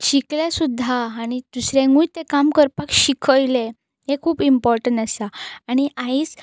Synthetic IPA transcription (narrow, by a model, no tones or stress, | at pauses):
t͡ɕikljasud̪ʱːaːɽ̃it̪usɾẽŋɡũjt̪ekamkəɾpakɕikʰəjle | ɦekʰuːbimpɔɾʈəɳʈəsaaɽ̃iʔaiːt͡s